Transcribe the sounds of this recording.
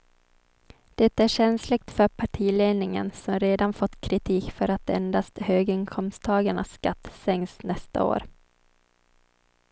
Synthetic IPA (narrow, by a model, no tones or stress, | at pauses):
d̪̥ɛt̪ːæɕɛnslɪɡ̚t̪fœɾpʰaʈʰiːleːnɪŋə̰nsɔmɾeːd̪anfɔt̪ːkʰɾɪt̪ʰiːkfœɾat̪ɛ̰nd̪ast̪høːɡɪŋkʰɔmst̪ʰɑːɡaɳa̰sːkat̪ːsɛŋsnɛst̪a̰o̰ːɾ